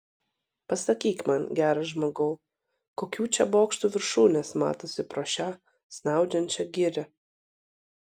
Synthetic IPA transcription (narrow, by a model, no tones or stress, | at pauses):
pɐsɐkʲiːkʲmɐnɡʲæːɾɐʒmoːɡɐʊ | koːkʲuːt͡ʃʲɛboːkʃt̪uːʋʲɪɾʃuːnʲeːsmɑ̰ːt̪oːsʲɪpɾoːʃʲæ | sʲnʲɑˑʊd͡ʒʲɛnʲt͡ʃʲɛɡʲɪɾʲɛ